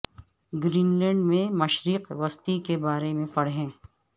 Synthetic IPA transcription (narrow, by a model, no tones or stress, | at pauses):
ɡɾiːnlɛ̃ːɳɖmẽmɐʃɾiːqʋɐst̪ikebaːɾemẽpɐɽɦẽː